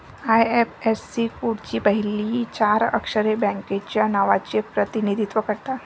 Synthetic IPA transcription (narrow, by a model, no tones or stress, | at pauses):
ajepesːikuɽt͡ɕiːpəɦilit͡ɕaɾə̰kʂəɾebɛ̃ŋket͡ɕjanaʋat͡ɕepɾət̪inid̪ʱit̪ʋəkəɾt̪a